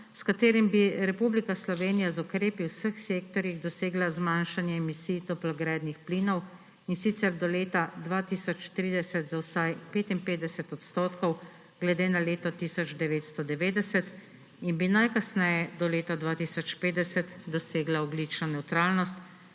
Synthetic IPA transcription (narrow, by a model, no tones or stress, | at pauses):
skat̪eːɾimbiɾɛpublikaslɔʋeːnijazɔkɾeːpiwsəxsekt̪ɔɾjiɣd̪ɔseːɡlazmanʃanjɛːmisiːt̪ɔplɔɡɾɛːd̪nixpliːnɔw | insit̪sɛɾd̪ɔleːt̪ad̪ʋaːt̪iːsɔt͡ʃt̪ɾiːd̪ɛsɛt̪zawsajpeːt̪inpeːd̪ɛsɛt̪ɔt̪st̪oːt̪kɔw | ɡ̥lɛd̪eːnaleːt̪ɔt̪iːsɔd͡ʒd̪ɛʋeːt̪st̪ɔd̪ɛʋeːd̪ɛsɛt̪ | inbinajkasnɛjɛd̪ɔleːt̪ad̪ʋaːt̪isɔt͡ʃpeːd̪ɛsɛt̪d̪ɔseːɡlaɔblit͡ʃnɔnɛwt̪ɾaːlnɔst̪